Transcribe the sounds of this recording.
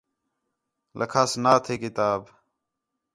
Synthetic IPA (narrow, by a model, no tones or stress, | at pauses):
lʔəkʰaːsnaːt̪ʰeːkɪt̪aːb